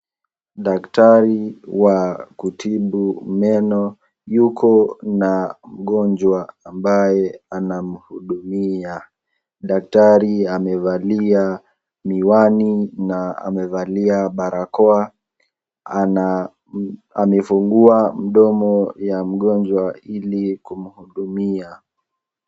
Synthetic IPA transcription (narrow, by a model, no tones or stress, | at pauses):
ɗaktaɾiwakutʰiɓumɛnɔ | jukʰɔnam̩ɠɔnd͡ʒwaambajɛanam̩huɗumia | ɗak̚taɾiamɛvalia | miwaninaa̰mɛvaliaɓaɾakɔa | a | amɛfuŋɡuam̩ɗɔmɔjam̩ɠɔnd͡ʒwailikum̩huɗumia